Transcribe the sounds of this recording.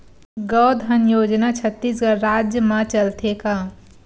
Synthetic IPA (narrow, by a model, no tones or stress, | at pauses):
ɡɔwd̪ʱənjoːd͡ʒnat͡ʃʰət̪ːis̬ɡəɾɾaːd͡ʒjəmãt͡ʃəlt̪ʰeka